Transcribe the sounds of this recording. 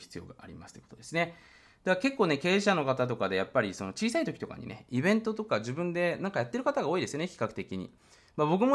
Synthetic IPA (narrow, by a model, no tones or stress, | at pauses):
çi̥t͡sɨjo̞̰ːɡaʔaɾʲḭmasɨ̥o̥kot̪od̪e̞sɨne̞ | d̪̥ake̞kːoːne̞ke̞ːɕano̞kat̪at̪o̞kad̪e̞japːaɾʲiso̞no̞t͡ɕiːsait̪o̞kʲi̥t̪o̞ka̰ɲ̟ḭne̞̰ibẽ̞nt̪o̞t̪o̞kaʑibɯ̟̃nd̪e̞nãŋkajat̪ːe̞ɾɯ̟kat̪aɡaoːid̪e̞sɨjo̞neçʲi̥kakɯ̟̥t̪e̞kʲiɲ̟ḭ | mabo̞kɯ̟mo